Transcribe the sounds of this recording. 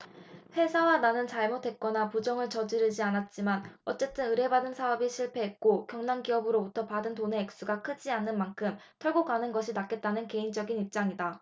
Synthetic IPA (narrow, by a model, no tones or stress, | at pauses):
ɸe̞sʰawananɯnt͡ɕaɭmotʰwe̞t̚k͈ʌnapud͡ʑʌŋɯɭt͡ɕʌd͡ʑiɾɯɭd͡ʑianat̚t͡ɕ͈imanʌt͡ɕ͈e̞t͈ɯnɯɾe̞badɯnsʰaʌbiɕʰiɭpʰe̞ɦet̚k͈okjʌŋnanɡiʌbɯɾobutʰʌpadɯntone̞ːk̚s͈uɡakʰɯd͡ʑianːɯnmankʰɯm | tʰʌɭɡok͈anɯnɡʌɕʰinak͈e̞t̚t͈anɯnke̞ind͡ʑʌɡinip̚t͡ɕ͈aŋida